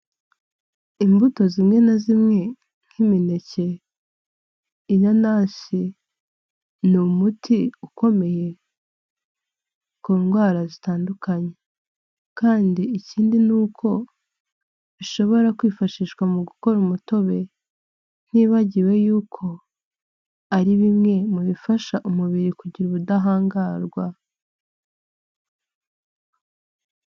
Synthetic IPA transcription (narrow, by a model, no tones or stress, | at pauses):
imbuto̞zimŋe̞nazimŋe̞ | ŋ̥himine̞ce̞ | janaːsi | numutʰiuko̞me̞je̞ | kuːnɡwaːɾazitaːndukʰaɲe̞ | kaːndiiciːndinuːkʰo̞ | βiʃo̞βo̞ɾakwiːfaʃiːʃkwamuɡuko̞ɾumuto̞βe̞ | n̥iːβaɟiwe̞juːkʰo̞ | aɾiβimŋe̞muβifaʃaʔumuβiɾikuɟiɾuβudaɦaːŋɡaɾɡwa